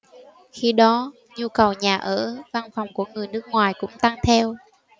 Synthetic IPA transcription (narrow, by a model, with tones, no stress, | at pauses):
xi˧ɗɔ˨˦ | ɲu˧kə˨˩wɲaː˨˩ʔə̰ː˧˥˩va˧nfɔ˨˩wŋ͡mku˧˩əŋɨ˨˩əjnɨ˦˥k̚ŋwaː˨˩jkʊ̰˧˥ŋ͡mt̪a˧ŋt̪ʰɛ˧w